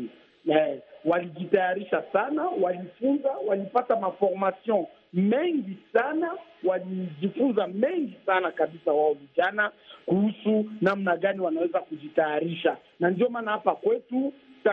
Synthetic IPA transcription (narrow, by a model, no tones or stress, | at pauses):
ɛwaliʄitajaɾiʃasanawalifunzawalipatamafɔɾmasiɔn | mɛŋɡisanawaliʄifunzamɛŋɡisanakaɓisawaɔviʄanakuhusunam̩naɠaniwanawɛzakuʄitajaɾiʃa | nandiɔmanahapakwɛtuta